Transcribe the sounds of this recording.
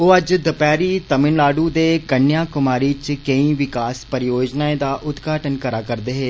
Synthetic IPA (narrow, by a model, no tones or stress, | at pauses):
oːɐd͡ʒd̪əpɛːɾiːt̪əmɪnlaːɖuːd̪eːkənjaːkʊmaːɾiːt͡ʃkəĩːʋɪkaːspəɾɪjoːd͡ʒnaːẽd̪aːʔʊd̪ɡʱaːʈənkəɾaːkəɾd̪eːɦeː